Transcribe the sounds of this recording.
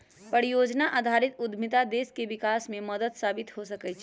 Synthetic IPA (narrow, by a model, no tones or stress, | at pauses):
pəɾijod͡ʒnaʔad̪ʱaɾit̪ud̪ʱmit̪ad̪eskebikasmeməd̪əd̪sabit̪ɦosəkɛjt͡ʃʰ